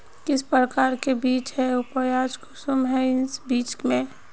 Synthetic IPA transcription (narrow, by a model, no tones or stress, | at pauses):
kɪspɾɾəkaːɾkebiːt͡ʃɦɛʊpəjaːd͡ʒkʰʊsumɦɛɪnsbiːt͡ʃmẽ